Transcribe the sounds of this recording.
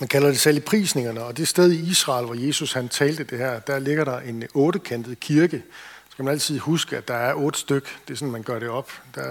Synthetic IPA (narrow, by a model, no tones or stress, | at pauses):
mænkʰælɐd̥e̝selipʰʁḭːsne̝ŋɐnəɒ̽d̥e̝sd̥eð̞ˠiisʁɑ̈ːlʋɒje̝ːsushænt͡sʰɛːld̥əd̥e̝hæɐ̰d̥æɐle̝ɡ̥ɐɾɑ̈ʔe̝nɔ̽ːɾəkʰen̰d̥ð̩ˠkʰiɐɡ̥əsɡ̥æmænæl̰t͡sʰið̞̰ˠhusɡ̥əæd̥ɑ̈æɐʔɔ̽ːd̥əsd̥øɡ̥d̥e̝sɔ̽nmænɡ̥ɶɐɾ̥e̝ɒ̽b̥d̥ɑ